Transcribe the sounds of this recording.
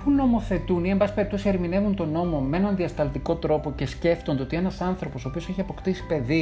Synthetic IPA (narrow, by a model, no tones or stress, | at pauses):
xunːo̞mo̞θe̞t̪uniembɐsi̥pe̞ɾipt̪o̞sie̞ɾmine̞vunt̪o̞no̞momeenɐnðiɐst̪ɐlt̪iko̞t̪ɾo̞po̞ce̞sce̞ft̪ond̪eot̪ienɐsɐnθɾo̞po̞soːpioseçiɐpo̞kt̪isi̥pe̞ði